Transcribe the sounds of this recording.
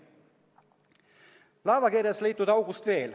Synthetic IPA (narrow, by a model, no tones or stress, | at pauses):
lɑːvɑkirjɑsliːt̪ːˑud̪̥ɑwɡ̥ust̪ve̞ːl